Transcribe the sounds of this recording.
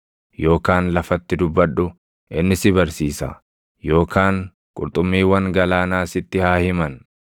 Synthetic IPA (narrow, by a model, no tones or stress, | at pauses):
jo̞ːkaːnlɐfɐt̪ːɪd̪ʊbːɐᶑʊ | ʔɪnːɪsɪbɐɾsiːsɐ̰ | jo̞ːkʰaːŋ | kʼʊɾt̪ʼʊmːiːwɐŋɡɐlaːnaːsɪt̪ːɪhaːhɪmɐn